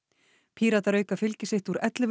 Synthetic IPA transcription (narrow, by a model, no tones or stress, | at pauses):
pʰiːɾat̪aɾœːɥkafɪlcɪsɪht̪uɾɛt̪lɪv